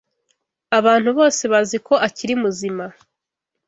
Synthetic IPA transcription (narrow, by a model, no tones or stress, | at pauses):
aβaːn̥huβo̞ːse̞βaziko̞ʔaciɾimuzima